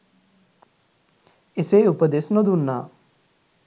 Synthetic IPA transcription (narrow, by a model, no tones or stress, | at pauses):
eseːupəd̪esnod̪unːaː